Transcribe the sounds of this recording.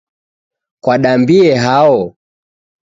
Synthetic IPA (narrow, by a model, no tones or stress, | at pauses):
kwaɗambiɛɦaɔ